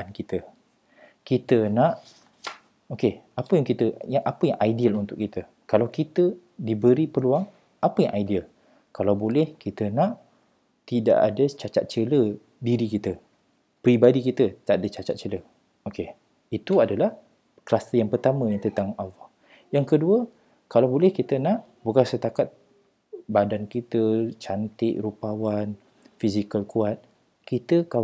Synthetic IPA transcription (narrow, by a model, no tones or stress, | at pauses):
ankit̪ə | kit̪ənaʔ | okeapəjaŋkit̪əjaŋʔapəjaŋʔajdialunt̪ʊkːit̪ə | kalawkit̪ə | dibəɾipərluaŋ | apəja̰ŋʔajdial | kalawbolɛhkit̪ənãʔ | t̪ida̰ʔa̰dət͡ʃat͡ʃa̰t̪̚t͡ʃələ | diɾikit̪ə | pɾibadikit̪ət̪id̪aʔadət͡ʃat͡ʃat̪̚t͡ʃələ | oke | it̪uadalah | kəlast̪əjaŋpərt̪amə̃jaŋt̪ənt̪aŋalːɔh | jaŋkəduə | kalawbolɛhkit̪ənãʔ | bukansət̪akat̪̚ | badankit̪ət͡ʃant̪ɪʔɾupawan | fizikəlkuat̪̚ | kit̪əka